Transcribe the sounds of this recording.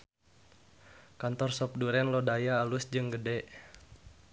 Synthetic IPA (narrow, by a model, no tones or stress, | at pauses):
kant̪ɔrsɔp̚duɾɛnlɔdajaːlusd͡ʒɨŋɡədɛʔ